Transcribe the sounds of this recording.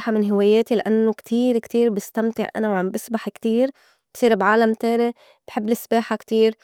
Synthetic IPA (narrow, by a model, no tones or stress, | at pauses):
ħamɪnɦɪwaːjeːt̪ilaʔanːokt̪ʰiːɾkt̪iːɾbɪst̪amt̪ɪ̰ʕʔa̰nawʕambɪsbaħkt̪iːɾ | b̥sˤiːɾbʕaːlamt̪eːle | b̥ħɪbːlɪsbaːħakt̪iːɾ